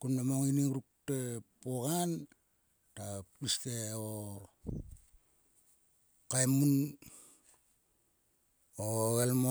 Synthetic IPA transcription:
kunːamaŋiniŋɾuk̚tepoɣan | tapisteo | kajmun | oɣelmo

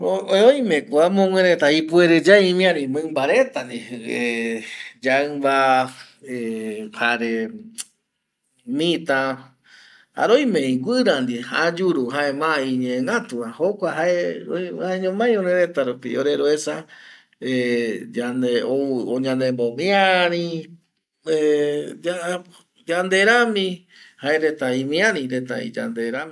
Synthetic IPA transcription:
oeojmẽkuamõŋʷwẽɾet̪aipueɾed͡ʒaĩmĩãɾĩmɨ̃mbaɾet̪and̪ie | d͡ʒaɨmba | ehaɾe | mĩt̪a | a̰ɾojmẽĩɡʷɨɾand̪iha̰d͡ʒuɾuɦaemãiɲẽːŋat̪uahokʷaɦaeoaeɲõmãj̃oɾeɾet̪aɾupḭoɾeɾoesa | ed͡ʒand̪eooɲãnd̪embomĩaɾ̃ĩ | ed͡ʒa | d͡ʒand̪eɾamĩ | haeɾet̪aĩmĩãɾĩɾet̪aḭ̃d͡ʒa̰nd̪eɾamĩ

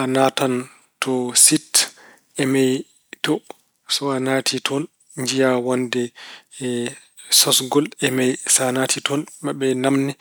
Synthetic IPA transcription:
ʔanatan | tʰɔsit | ɛmɛj | tɔ | sɔanatʰitʰɔn | ɲd͡ʒijawandɛ | sɔsɡɔlɛmɛjsanatʰitʰɔnmaɓɛnamnɛ

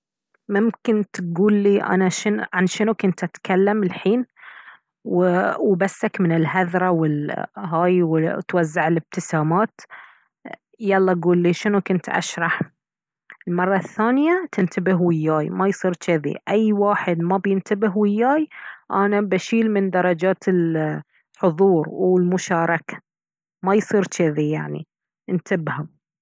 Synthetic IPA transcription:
mʊmkɪnt̪ɡuːlːiːʔa̰naʃɪnʕanʃɪnukʊnt̪ʔat̪kalːamɪlħiːn | wɪwbasːakmɪnɪlɦaðɾˤɑwɪlɦaːjwɪt̪wazːaʕɪlɪb̚t̪ɪsaːmaːt̪ | jɑlˤːɑɡuːlːiːʃɪnukʊnt̪ʔa̰ʃɾˤɑħ | ɪlmɑrˤːɑθːaːnjat̪ʰɪnt̪abɪɦwɪjːaːjmajsˤiːɾt͡ʃaðḭʔajːwaːħɪd̪mabjɪnt̪abɪɦwɪjːaːjʔanabaʃiːlmɪnd̪ɑɾˤɑd͡ʒaːt̪ɪl | ħʊðˤuːɾwwɪlmʊʃɑːɾˤɑkḁ | majsˤiːɾt͡ʃɪðijaʕnḭ | ɪnt̪ʰɪbham

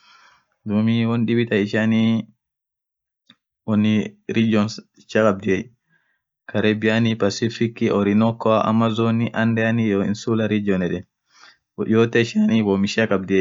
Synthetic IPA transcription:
dumiwonɗibit̪aiʃani | wɔnːiɾid͡ʒɔn | ʃakab̚diɛj | kaɾebianipasifikːiɔɾinɔkːɔaʔa̰mazɔniʔandɛanijɔḭnsulaɾid͡ʒɔnɛɗɛ | ɔʔɔt̪ɛʃaniwɔmiʃakab̚diɛj

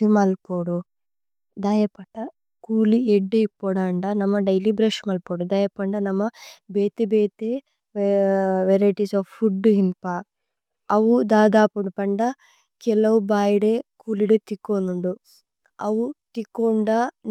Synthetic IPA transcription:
imɐlpoːɽu | d̪aːjɐpɐʈːɐ | kuːlieɖːeipːoːɽaːɳɖɐnɐmːɐɖɐjlibɾeːʂɐnɐlpoːɽud̪aːjɐpɐɳɖɐnɐmːɐbeːt̪ebeːt̪e | ʋeɾɐjʈisaːfpʰːuɖːɦinpa | ɐʋud̪aːd̪aːpuɳupɐɳɖɐ | kɛlɐʋubaːjiɽekuːliɽet̪ikːonuɳɖu | ɐʋut̪ikːoɳɖa

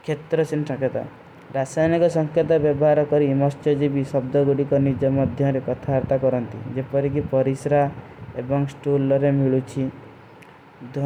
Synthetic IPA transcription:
kʰet̪ɾɔsinsɔŋkʰet̪a̰ | ɾasajnikɔsɔŋkʰet̪ɔbjɔbɔɦaɾɔkɔɾimɔst͡ʃjɔd͡ʒibisɔbd̪ɔɡuɽikɔnid͡ʒɔmɔd̪ʱjɔɾekɔt̪ʰaaɾt̪akɔɾɔnt̪ḭd͡ʒepɔɾik̬ipɔɾisɾa | ebɔŋsʈulɔɾemiɭut͡ʃʰi | d̪ʱ

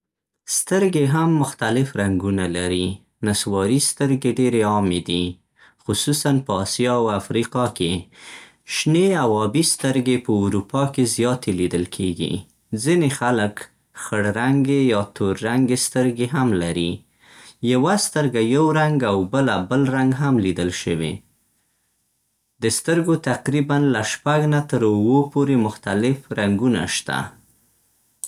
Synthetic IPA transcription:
st̪əɾɡeɦamːʊxt̪alɪfɾaŋɡunalaɾi | naswɑɾist̪əɾɡeɖeɾeɑmed̪i | xʊsusanpəːsijɑwafɾiqɑke | ʃneawɑbist̪əɾɡepəuɾupɑkezjɑt̪elid̪əlkʰeɡḭ | zinexalək | xəɽɾaŋɡejɑt̪oɾːaŋɡest̪əɾɡeɦamlaɾi | jawast̪əɾɡajawɾaŋɡawbəlabəlɾaŋɡɦamlid̪əlʃəwḛ | d̪əst̪əɾɡot̪aqɾibanlaʃpaɡnat̪əɾʊwopoɾemʊxt̪alɪfɾaŋɡuna̰ʃt̪a̰

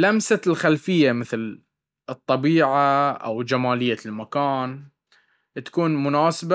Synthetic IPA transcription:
lamsalxalfɪjːamɪθl | ɨt̪ˤːɑbiːʕaʔa̰wd͡ʒamaːlɪjːalmakaːn | t̪ḁkuːnmʊnaːsaba

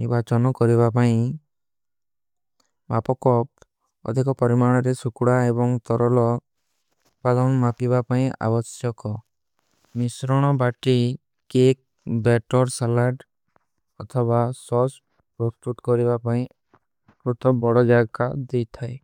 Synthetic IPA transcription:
nibat͡ʃɔnɔkɔɾibapaĩ | bapɔkɔp̚ | ɔ̰d̪ʱikɔpɔɾimaɽ̃ɔɾesukuɽaebɔŋt̪ɔɾɔlɔ | t̪̚pad̪ɔnmapibapaĩʔa̰bɔsjɔkɔ | misɾɔɽ̃ɔbaʈi | kek̚ | beʈɔɾsalaɖ | ɔt̪ʰɔβasɔs | pɾosʈuʈkɔɾibapaĩ | pɾut̪ʰɔbɔɽɔd͡ʒaɡad̪ejt̪ʰae

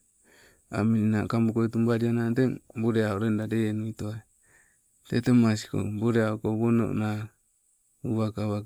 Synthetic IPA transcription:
a̰minina̰kambukoitumbaɾiananteŋboɾeaoɾendaɾeenuitoa | tetemasi̥ko̰boɾeaokoβono̰ʔna | uβakaβa

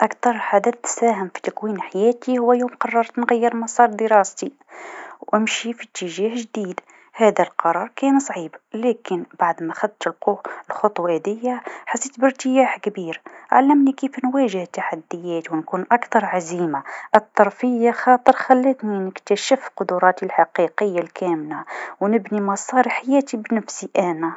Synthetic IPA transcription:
ʔakt̪ɑɾˤlħad̪æːθt̪ːsæːɦəmfi̥t̪akwiːnħajæːt̪ihʊwːæjoːmqɑrˤːɑɾˤt̪nɣæjːəɾmɑsˤɑːɾˤd̪əɾˤɑːst̪i | wʔɪmʃifit̪ːəʒaːhʒd̪iːd̪ | hæːd̪alqɑɾˤɑːɾˤkæːnsˤʕiːblæːkɪnbaʕd̪mæxæd̪t̪əlquːəlxʊt̪ˤwad̪ɪjːaħasːiːt̪bəɾt̪əjaːħkbiːɾʔʕalːəmnikifnwæʒəht̪ːaħad̪ːəjæːt̪wnkuːnʔakt̪ɑɾˤʕaziːmaʔət̪ˤːɑɾˤfəjːaxɑːt̪ˤəɾˤxælːət̪ninəkt̪æʃəfqʊd̪ʊɾˤɑt̪ilħɑqiqəjːalkʰæmlawnəbnimɑsˤɑːɾiħajæːt̪ibnəfsiʔæna

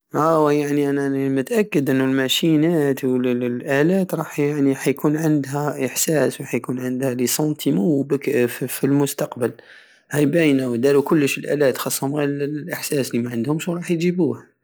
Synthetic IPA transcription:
ʔæwjaʕniʔænæmʊt̪ʔækːəd̪ʔənːʊlmæʃinæt̪wəllʔælæt̪ɾˤɑħjaʕniħæjkunʕənd̪ɦæʔəħsæswħæjkunʕənd̪hælisˤɑnt̪ʰimubəkffilmʊst̪ɑqbəl | hæjbæjnæwd̪ælukʊlːəʃəlʔæ̰læt̪xɑsˤːhʊmɣillʔəħsæslimæʕənd̪hʊmʃwɾˤɑħj̪ʒibuhæ

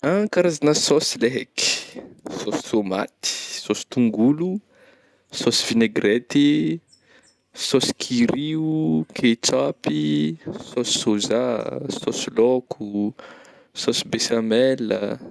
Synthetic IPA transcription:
akaɾazanəsosileɦɛki̥sosi̥t̪oma̰t̪i̥sosi̥t̪uŋɡulu | sosiv̥ineɡɾet̪i | sosi̥kʰiɾiukʰet͡ʃapisosi̥sozasɔsilɔkʰu | sosibesamɛlə̰

